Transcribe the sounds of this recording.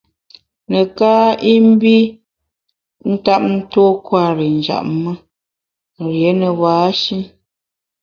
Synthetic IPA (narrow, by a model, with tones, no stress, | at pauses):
nə˨ka˦i˦m̩˦bi˦ | n̩˦ta˦p̚n̩˦to˦kwa˦˨ɾi˨n˨d͡ʒa̰˨ʔ̚mə˦ | ɾje˨˦nə˨waː˨˦ʃi˦n